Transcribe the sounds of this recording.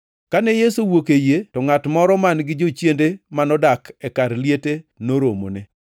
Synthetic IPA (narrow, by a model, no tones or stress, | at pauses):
kanɛjesuwokejetɔŋatmɔɾɔmanɡɪd͡ʒot͡ʃjendemanɔdakɛkaɾljetenoɾomo̰nɪ